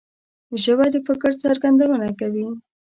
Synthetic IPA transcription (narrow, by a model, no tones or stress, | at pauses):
ʒəbad̪əfɪkɾt͡saɾɡand̪awənakawi